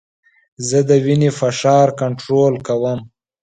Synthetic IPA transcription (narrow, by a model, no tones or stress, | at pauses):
zəd̪əwinefaʂɑːɾkaɳʈɾolkawəm